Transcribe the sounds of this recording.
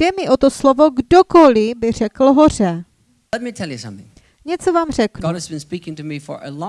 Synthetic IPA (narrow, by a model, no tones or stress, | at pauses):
d̥ɛmɪʔot̪oslovoɡdokolɪbɪr̝ɛkl̩ɦor̝ɛ | ɛt̚mitʰɛlˠjɨsʌ̃mθɪ̰̃ŋ | ɲɛt͡sovaːmrɛknɡɑd̚əzbɨ̃nspikɪ̃ŋtɨmifə̰˞ʔə̰lɔ̃